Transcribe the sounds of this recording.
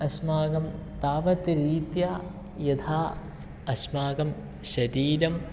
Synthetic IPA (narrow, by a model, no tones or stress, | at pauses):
ɐsmaːɡɐmt̪aːʋɐt̪ɾiːt̪jaː | jɐt̪ʰaː | ɐsmaːɡɐm | ʃɐɾiːɾɐm